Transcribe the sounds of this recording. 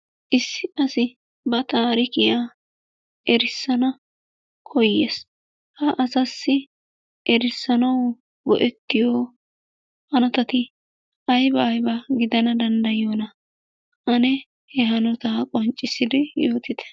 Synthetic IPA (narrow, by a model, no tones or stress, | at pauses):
ʔɪsːɪɐsɪ | bɐt̪aːɾɪkɪjaː | ʔɛɾɪsːɐnɐ | kʰɔjːḛːs | hɐʔɐsɐsːɪ | ɛɾɪsːɐnɐw | ɡɔʔɛt̪ːɪjoː | hɐnɔt̪ɐt̪ɪ | ʔɐjbɐːjbɐɡɪd̪ɐnɐd̪ɐnd̪ɐjoːnɐ | ʔɐnɛ | hɛɦɐnɔt̪akʼɔnt͡ʃʼːɪsɪd̪ɪjoːt̪ɪd̪ɛ̥